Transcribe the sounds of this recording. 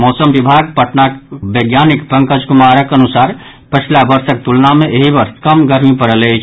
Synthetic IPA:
mɔːsəmbibʱaɡpəʈnakbeɡjanikpə̃ŋkəd͡ʒkumaɾəkənusaɾ | pət͡ʃʰlabəɾsək̚t̪ulnameʔeɦibəɾskəmɡəɾmipəɾəlet͡ʃʰ

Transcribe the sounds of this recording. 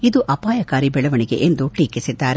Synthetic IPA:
id̪uʔɐpaːjɐkaːɾibɛɭɐʋɐɳiɡe̞̰ʔend̪uʈiːkisid̪ːaːɾe

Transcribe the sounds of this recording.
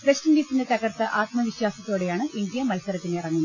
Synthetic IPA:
prɐɕtɐndiːsinde̞t̪ɐɣɐrt̪ːɐʔaːt̪mɐʋiɕwaːsɐt̪ːo̞ːɽe̞jaːɳɨʔind̪ijɐmɐlsɐɾɐt̪ːineirɐŋːunːɐ

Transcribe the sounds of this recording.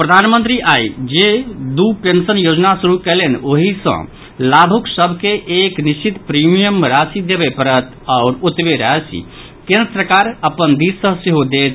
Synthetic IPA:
pɾəd̪ʱanmə̃nt̪ɾiʔaid͡ʒed̪upensənjod͡ʒnasuɾukɛlenoɦisə̰̃ | labʱuksəbʱkeʔːknist͡ʃit̪pɾimijəmɾasid̪ebɛpəɾət̪ | aʊɾut̪beɾəɦɛsḭ | kẽnɾəpɾəkaɾəpənd̪issə̃seɦod̪et̪

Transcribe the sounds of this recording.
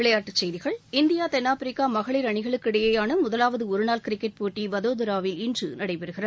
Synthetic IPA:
ɪɭɐjaːʈːɯt͡ʃːɛjðɪɣɐɭɪnd̪ɪjaːt̪ɛnːaːfɾɪkːaːmɐɣɐɭɪɾɐɳɪɣɐɭɯkːɪɽɐjɐjaːɳɯmʊðɐlaːʋɐðɯɔɾɯnaːlkɪɾɪkːɛʈ̚poːʈːiʋɐðoːðɪɾaːʋɪlɪndrɯnɐɽɐɪpɪɾɯɣɪrɐð

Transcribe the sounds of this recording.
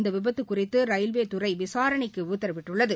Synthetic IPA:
nd̪ɐʋɪbɐt̪ːɯkːʊrɪt̪ːɯɾɐjɪlʋeːt̪ʊrɐɪʋɪsaːɾɐɳɪkːɯʊt̪ːɐɾɐʋɪʈːɯɭːɐðɯ

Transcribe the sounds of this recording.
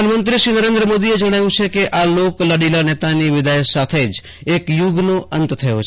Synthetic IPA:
nmənt̪ɾiʃiːnəɾẽnd̪ɾəmod̪ied͡ʒəɽ̃ajũt͡ʃʰekeʔaloklaɽilanɛt̪aniʋɪd̪ajsat̪ʰed͡ʒ | ekjʊɡnoʔənt̪t̪ʰəjot͡ʃʰ

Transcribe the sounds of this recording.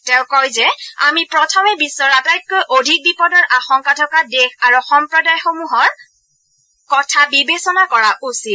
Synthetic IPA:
tɛʊ̃kɔjzɛa̰mipɹɔtʰɔmɛbisːɔɹatajt̚kojʔodʱik̚bipɔdɔɹʔaxɔŋkatʰɔkadekʰaɹuxɔmpɹɔdajxomuɦɔɹ | kɔtʰabibesɔnakɔɹaʔusit

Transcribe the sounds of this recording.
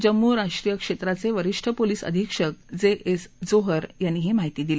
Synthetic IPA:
d͡ʑəmːuɾaʂʈɾijəkʂet̪ɾat͡seʋəɾiʂʈʰəpoliːsə̰d̪ʱikʂək̚d͡zeʔesd͡zoɦəɾjanːiːɦimaɦit̪iːd̪ile

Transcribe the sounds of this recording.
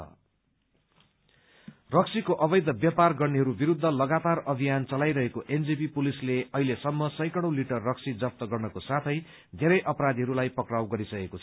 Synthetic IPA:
ʌ̰ | rʌk̚sʰikoʔʌbʌjd̪ʱʌbjʌparɡʌrneɦʌɾubiɾud̪ʱːʌlʌɡat̪arʌbʱijant͡sʌlajɾʌɦekoʔend͡zipipulisleʌɦilesʌmːʌsʌ̃jkʌɽ̃õliʈʌrːʌksʰid͡zʌp̚t̪ʌɡʌrnʌkosat̪ʰʌj | d̪ʱeɾʌjʔʌpʌɾad̪iɦʌɾulajpʌkrawɡʌɾisʌkekot͡sʰʌ

